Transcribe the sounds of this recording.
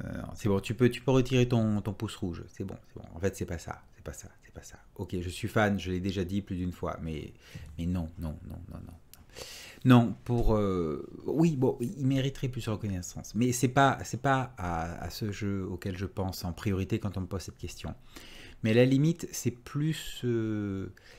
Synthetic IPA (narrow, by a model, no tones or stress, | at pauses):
nɔ̰̃sɛbɔ̃t̪ypøt̪y̥pøʁət̪ʰiʁet̪ɔ̃t̪ɔ̃pusʁuʒsɛbɔ̰̃sɛbɔ̰̃ɑ̰̃fɛt̪sɛpasa̰sɛ̥pasa̰sɛ̥pḁsa | okʲeʒəsɥifanʒəlɛd̪eʒad̪iplyd̪ynfwa̰mɛ̰ | mɛnɔ̃nɔ̃nɔ̰̃nɔ̰̃nɔ̰̃nɔ̃nɔ̃puʁø | wibɔ̃iilmeʁit̪ʁɛplysʁəkɔnɛsɑ̰̃smɛsɛpasɛpaaa̰səʒøokʲɛlʒəpɑ̃sɑ̃pχijɔʁit̪ekɑ̃t̪ɔ̃məpoz̥sɛt̪kʲɛst̪jɔ̰̃ | mɛalalimit̪sɛplysø